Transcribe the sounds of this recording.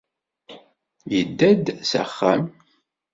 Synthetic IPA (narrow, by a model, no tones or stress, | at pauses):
jəd̪ːæd̪sæ̰χːæ̰m